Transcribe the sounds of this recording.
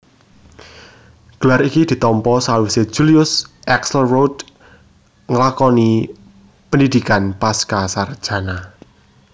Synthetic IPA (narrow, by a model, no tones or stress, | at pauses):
ɡ̥əlaɾikid̪̥i̤t̪ɔmpɔsawise̥ʒ̥uliʊsʔɛksəlrod̪ | ŋəlakɔni | pənd̪id̪̥i̤kanpaskasard̥ʒ̥a̤na